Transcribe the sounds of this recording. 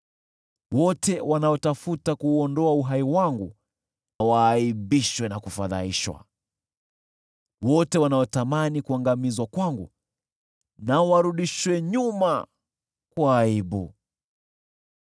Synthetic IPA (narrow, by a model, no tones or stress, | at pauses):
wɔtʰɛwanaɔtafutakuːɔndɔauɦaiwaŋɡu | nawaːiɓiʃwɛnakufaða̰iʃwa̰ | wɔtɛwanaɔtamanikuaŋɡamizwakwaŋɡṵ | nawaɾuɗiʃwɛɲuma | kwaiɓṵ